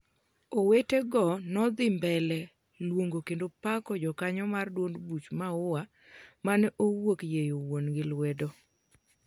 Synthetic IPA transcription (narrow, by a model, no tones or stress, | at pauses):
oweteɡɔnɔd̪ɪmbɛlɛ | lwoŋɡokendopakɔd͡ʒɔkaɲɔmardwondbut͡ʃmaʊwa | manɛʔowokjejowonɡɪlwɛdo